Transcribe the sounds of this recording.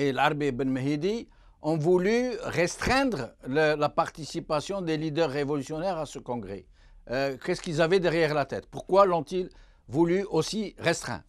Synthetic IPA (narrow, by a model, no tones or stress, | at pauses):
elaʁbebənməɦed̪i | ɔ̃vulyʁɛst̪χɛ̃d̪ʁləlapaʁt̪isipasjɔ̃d̪elid̪œʁːevɔlysjɔnɛʁasəkɔ̃ɡʁɛ̰ | kɛskilzavɛd̪ɛʁjɛʁlat̪ɛ̰t̪puʁkwalɔ̃t̪il | vulyʔosiʁɛst̪χɛ̰̃